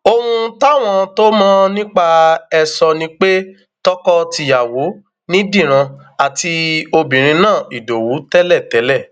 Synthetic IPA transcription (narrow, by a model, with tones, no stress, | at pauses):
o˧hũ˧ta˦˨w̃ɔ̃˧to˦mɔ̃˦nĩ˦k͡pa˦ɛ˧sɔ˧nĩ˦k͡pe˦ | tɔ˦kɔ˦ti˧˨ja˨wo˨˦ | nĩ˦dĩ˦˨ɾ̃ã˧ | a˨ti˧o˧bĩ˨ɾ̃ĩ˧nãː˦˨i˨do˨wu˨˦tɛ˦lɛ˦˨tɛ˨˦lɛ˦˨